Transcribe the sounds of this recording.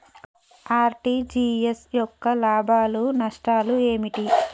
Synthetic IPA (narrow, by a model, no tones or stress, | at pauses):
aːɾʈid͡ʒiesjɔkːɐlaːbʱaːlunɐʂʈaːlueːmiʈi